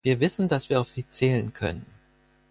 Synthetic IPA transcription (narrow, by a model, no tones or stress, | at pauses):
viːɐvɪsn̩dasv̥iːɐaʊfz̥iːt͡sɛːlənkʰœ̰nən